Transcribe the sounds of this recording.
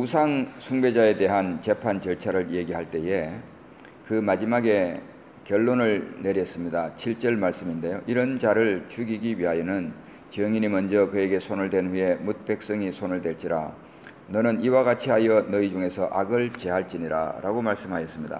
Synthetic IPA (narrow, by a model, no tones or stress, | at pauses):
usʰaŋsʰuŋbe̞d͡ʑae̞de̞ɦant͡ɕe̞pʰant͡ɕʌɭt͡ɕʰaɾɯɾje̞ɡiɦaɭt͈e̞je̞ | kɯmad͡ʑimaɡe̞ | kjʌɭːonɯɭne̞ɾjʌs͈ɯmɲidat͡ɕʰiɭt͡ɕ͈ʌɭmaɭs͈ɯminde̞joʔiɾʌnd͡ʑaɾɯɭt͡ɕʰuɡiɡiɥiɦajʌnɯn | t͡ɕʌŋinimʌnd͡ʑʌkɯe̞ɡe̞sʰonɯɭdwe̞nɸuje̞mut̚p͈e̞k̚s͈ʌŋisʰonɯɭdwe̞ɭt͡ɕ͈iɾa̰ | nʌnɯniwaɡat͡ɕʰiɦajʌnʌid͡ʑuŋe̞sʰʌʔaɡɯɭt͡ɕe̞ɦaɭt͡ɕ͈iɲiɾa̰ɾaɡomaɭs͈ɯmɦajʌs͈ɯmɲida̰